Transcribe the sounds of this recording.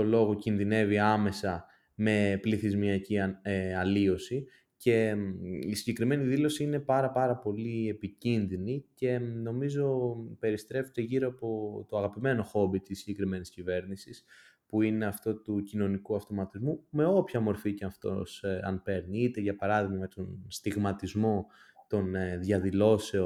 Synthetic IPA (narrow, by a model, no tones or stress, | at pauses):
to̞lo̞ɣo̞cinðine̞viɐme̞sɐ | me̞pliθizmiɐcieɐlio̞si | ce̞isiɲɟe̞kɾime̞niðilo̞siine̞pɐɾɐpɐɾɐpo̞lie̞picinðinice̞no̞mizo̞pe̞ɾist̪ɾe̞fet̪eʝiɾoɐpo̞t̪o̞ɐɣɐpime̞no̞xo̞bit̪isːiɲɟe̞kɾime̞niscive̞ɾnisis | puine̞ɐft̪o̞t̪ucino̞nikuɐft̪o̞mɐt̪izmume̞o̞pçɐmo̞ɾficeɐft̪o̞̰sɐ̰npe̞ɾniit̪e̞ʝɐpɐɾɐðiɣmɐmt̪o̞nst̪iɣmɐt̪izmo̞ | t̪o̞neðʝɐðilo̞se̞o